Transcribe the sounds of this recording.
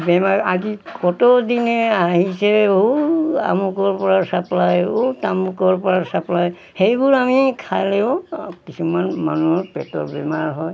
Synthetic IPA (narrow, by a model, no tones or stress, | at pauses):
bɛmaɹazikɔtɔdinɛaɦisɛ | a̰mukɔɹpɔɹasaplajotamukɔɹpɔɹasaplaj | hejbuɹamikʰajlɛɔ̃kisumanma̰nuɔɹpɛtɔ̰bɛmaɹɦɔj